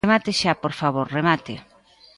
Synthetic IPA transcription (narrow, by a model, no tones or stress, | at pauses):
mat̪ɪʃapoɾfaβoɾremat̪e